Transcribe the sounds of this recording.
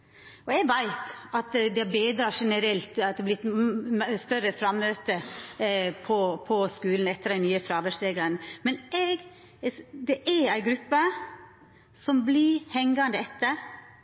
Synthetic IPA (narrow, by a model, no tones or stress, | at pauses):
ʔɔɛɡʋæɪt̪ɑt̪d̪ɛbeːd̪ɾɑːʂɛnəɾɛlt̪ɑt̪̚d̪ɛblɪt̪ | st̪œɾəfɾɑmːøːt̪ə | pʰɔpʰɔskʉːln̩ɛt̪ːəd̪ɛɪnyːəfɾɑːʋəʂeːɡəɾənmɛnʔɛɡ | d̪ɛʔæɾæɪɡɾʉpːə | sɔmblɪhɛŋɡɑnd̪əɛt̪ːəɾ